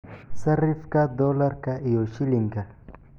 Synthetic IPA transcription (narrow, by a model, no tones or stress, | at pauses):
saɾifkad̪olaɾkaʔijoʃiliŋɡa